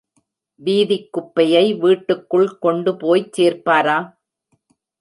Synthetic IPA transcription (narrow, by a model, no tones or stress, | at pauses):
ʋiːðɪkːʊpːɐjɐɪʋiːʈːɯkːɯɭkɔɳɖɯpoːjt͡ʃseːɾpaːɾaː